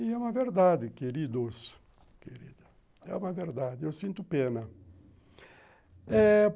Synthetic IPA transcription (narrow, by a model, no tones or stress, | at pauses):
ɪɛũmɐveɾd̪ad̪ɪkeɾid̪os | keɾḭd̪ɐ | ɛ̰ũmɐveɾd̪ad̪ɪewsĩnt̪ʊpẽnɐ | ɛ